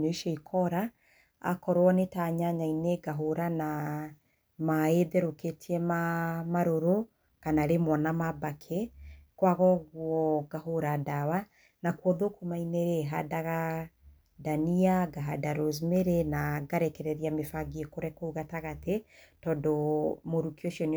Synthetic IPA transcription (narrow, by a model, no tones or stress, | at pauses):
ɲoiʃɔikʰɔɾa | a̰kɔɾwɔnetaɲaɲaineɡaɦoɾana | maeðɛɾoketʰiɛmamaɾoɾo | kanaɾemwɔnamabakʰekwaɣɔɣwɔɡaɦoɾadaβa | nakwɔðokomaineɾeɦadaɣa | daniaɡaɦadaɾoz̬meɾenaɡaɾɛkɛɾɛðijamefaɡiekoɾɛkouɣataɣatetɔdɔmoɾukioʃiɔn